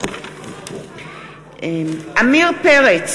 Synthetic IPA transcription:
eamiʁpeʁet͡s

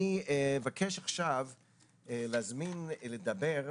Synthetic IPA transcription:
ievakʰeʃaχʃav | leazminled̪abeʁ

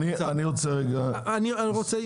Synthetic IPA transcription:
nianiʁot͡sɛʁeɡaanianiʁot͡sɛ

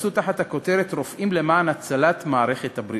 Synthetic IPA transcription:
sut̪aħat̪hako̞t̪eɾet̪ɾo̞fʔimlemaːnat͡salat̪maːɾe̞χe̞t̪habɾḭ

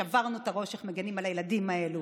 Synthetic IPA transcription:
avaʁnut̪aʁo̞ʃeχmeɡenimalajeladimae̞lu

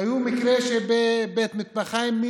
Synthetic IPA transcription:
ajumikɾeʃebebet̪mit̪̚baχaimːi

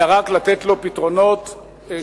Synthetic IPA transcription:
aʁaklat̪et̪lo̞pit̪ʁo̞no̞t̪

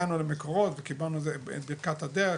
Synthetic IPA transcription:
anulemekoʁo̞t̪vekibalnuzeḛtbiʁkat̪had̪eʁe

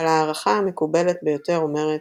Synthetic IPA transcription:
laːʁaχame̞kube̞let̪̚bejo̞te̞ʁo̞me̞ʁet̪

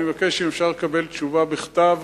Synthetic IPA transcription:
nivakeʃimefʃaʁlekabe̞lt̪t͡ʃuvabeχtav

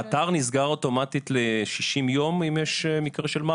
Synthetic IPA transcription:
ataʁnizɡaʁoto̞matit̪le̞ʃiʃimjo̞mimjeʃmikʁeʃelma

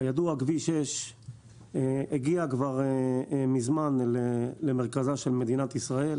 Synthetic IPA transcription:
jad̪uaɡviʃeʃ | eɡiakvaʁmizmanlelemeʁkazaʃe̞lme̞d̪inat̪isʁae̞l

